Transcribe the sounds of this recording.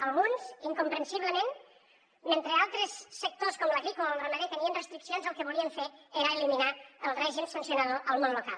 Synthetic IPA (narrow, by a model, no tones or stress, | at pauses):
əlɣunziŋkumpɾənsiβləmẽn | ment̪ɾealˠt̪ɾəsːək̚t̪oskɔmləɣikuamrəməðet̪əniənrəst̪ɾiksionzəlˠkəβuliəɱfeeɾəːliminaəlˠrɛʒimsənsjunaðoʔəlˠmonlukalˠ